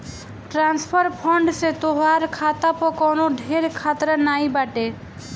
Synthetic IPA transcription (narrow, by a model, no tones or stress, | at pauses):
ʈɾanspʰɔɾpʰɔɳɖset̪oɦaɾkʰat̪apɔkɔnoɖʱeɾkʰat̪ɾanajbaʈe